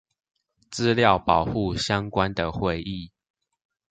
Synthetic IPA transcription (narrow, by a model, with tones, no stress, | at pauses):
t͡sɹ̩˦ljɑ˥˨ʊpɑ˨˩ʊxu˥˨ɕjɑ˦ŋkwa˦nd̪ə˨xwe˥˨˧ɪʔi˥˨